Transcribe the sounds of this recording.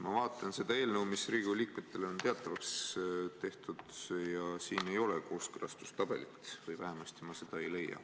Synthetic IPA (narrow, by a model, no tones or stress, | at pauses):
mɑvɑːt̪ˑːɑnse̞d̪̥ɑe̞ːlnəwmisriːɡ̥uliːkme̞t̪ˑːe̞leo̞nt̪e̞ɑt̪ːˑɑvɑkst̪e̞ht̪ud̪̥jɑsiːne̞jo̞leko̞ːskɯɾɑ̰st̪u̥st̪ɑb̥e̞̰lit̪vɯjvæ̰ɦemɑst̪imɑse̞d̪̥ɑe̞jle̞jːɑ̰